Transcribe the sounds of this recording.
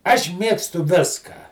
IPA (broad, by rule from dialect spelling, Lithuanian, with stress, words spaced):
ɐʃ ˈmʲeːkstʊ ˈʋʲɪskɑː